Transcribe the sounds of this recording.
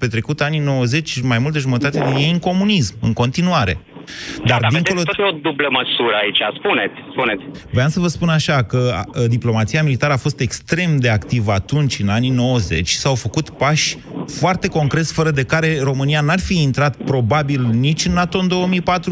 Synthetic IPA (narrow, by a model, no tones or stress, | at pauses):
pe̞t̪ɾe̞kut̪anino̞wəze̞t͡ʃʲmajmult̪əʒumət̪at̪e̞d̪inje̞jɨŋko̞munismɨ̰ŋko̞nt̪inuaɾe̞̰ | d̪ard̪iŋoloood̪ubləməsuɾəait͡ʃaspunet̪sʲspunet̪sʲveamsəvəspunaʃakəd̪iplo̞mat̪sijamilit̪aɾəafo̞st̪e̞kst̪ɾe̞md̪e̞akt̪ivəat̪unt͡ʃʲɨnanino̞wəze̞t͡ʃʲsawfəkut̪paʃʲ | foart̪e̞ko̞ŋkɾe̞t̪sʲfəɾəd̪e̞kaɾe̞ro̞mɨnijanarfiːnt̪ɾat̪̚pɾo̞babilnit͡ʃʲɨnːat̪o̞ɨnd̪o̞omijpat̪ɾu